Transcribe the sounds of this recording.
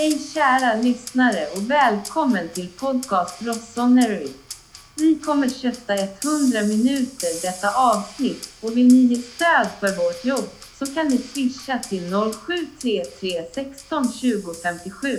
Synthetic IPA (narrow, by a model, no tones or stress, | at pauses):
hɛjɕæːɾalʏsnaɾəʔɔkvɛːlkʰɔmːənt̪ʰɪlpʰɔd̪kʰɑːst̪ɾɔsɔnɛɾɪ | vɪkʰɔmːəɾɕœp̪ːaɛt̪hɵnd̪ɾamɪnʉ̟ːt̪əɾd̪ɛt̪ːaʔɑːvsnɪt̪ːɔvɪlnɪjɪst̪øːd̪fœɾvoʈjɔbːsɔkʰannɪfɪʂːat̪ʰɪlnɔlːɧʉ̟ːt̪ʰɾeːt̪ʰɾeːsɛkst̪ɔnɕʉ̟ːɡʊfɛmt̪ɪɧʉ̟ː